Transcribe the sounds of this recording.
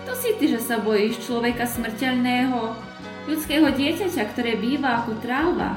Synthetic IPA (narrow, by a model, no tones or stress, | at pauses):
t̪ɔsit̪iʒɛsabɔjiːʃt͡ʃlɔʋɛkasmr̩cɛʎnɛːɦɔ | ʎut͡skɛːɦɔɟɪɛcacakt̪ɔɾɛːbiːʋaːkɔt̪ɾaːʊʋa̰